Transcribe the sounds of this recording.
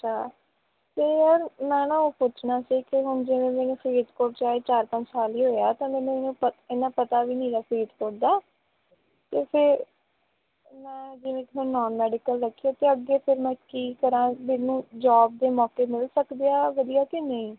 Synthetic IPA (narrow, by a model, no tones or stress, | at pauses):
t͡ʃʰaː | t̪eːəɾmɛ̃ːnãːoːpʊt͡ʃʰnaːsiːkɪɦʊɳd͡ʒɪʋẽːmɛːnũːfʰɾiːt̪koːʈ̚t͡ʃaːeːt͡ʃaːɾpə̃ɲt͡ʃsaːliːɦoːjaːt̪ãːmɛ̃ːnũːenũːpəɪnãːpət̪aːʋiːnĩːɾaːfʰɾiːd̪koɽd̪aː | t̪eːpʰɪɾ | mɛ̃ːd͡ʒɪʋẽːkɪɦʊnːɔːnmɛːɖɪkəlɾəkʰːijoːt̪eːəɡːeːpʰɪɾmɛ̃ːkiːkəɾãːmẽːnũːd͡ʒɔːb̚d̪eːmɔːkeːmɪlsəkd̪ejaːʋəd̪ijaːkɪnəĩː